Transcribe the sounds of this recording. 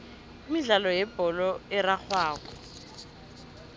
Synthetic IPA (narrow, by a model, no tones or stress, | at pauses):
miɮalɔjɛb̥ɔlɔɪrak͡xʰwaːkɔ